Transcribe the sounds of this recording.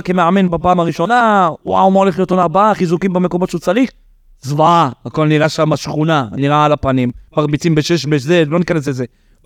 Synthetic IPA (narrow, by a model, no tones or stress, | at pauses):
kemeʕamenbapaːmaʁiʃo̞naṵa̰noleχlijot̪onabaaχizukimbemeko̞mo̞t̪ʃeut͡salik̚ | zvaaako̞lniʁaʃamaʃχunaniʁaalapanimpaʁbit͡simbeʃeʃbeʃzedlonikanes̬leze